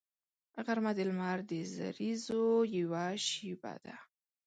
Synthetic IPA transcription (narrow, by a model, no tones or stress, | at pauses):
ɣaɾmad̪ɪlmɑɾd̪əza̰ɾizojiwaʃiba̰d̪a